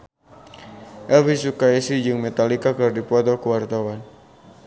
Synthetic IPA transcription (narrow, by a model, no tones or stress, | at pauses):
ʔɛlfisukaisid͡ʒɨŋmɛt̪alikakɨrdipɔt̪ɔkuwart̪awan